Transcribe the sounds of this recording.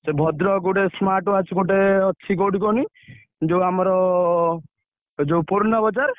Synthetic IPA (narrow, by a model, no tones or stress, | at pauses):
sebʱɔd̪ɾɔɡuɽesmaʈuat͡ʃʰukoʈeɔːʃʰikoɽikɔni | d͡ʒowamɔɾɔ | d͡ʒowpuɾnɔbɔt͡ʃaɾ